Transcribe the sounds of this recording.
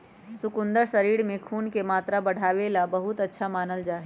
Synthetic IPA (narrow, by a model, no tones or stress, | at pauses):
sʊkʊ̃nd̪əɾsɐɾiːɽmẽkʰuːnkemaːt̪ɾabɐɽ̤ʱaːʋeːlabɐɦʊt̪ɐtːʃʰamaːnəld͡ʒaːɦi